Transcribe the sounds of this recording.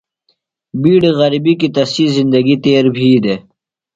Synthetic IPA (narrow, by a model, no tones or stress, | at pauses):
biːɽeɣɐɾibikit̪ɐsiːzind̪ɐɡit̪eːɾbʱiːd̪e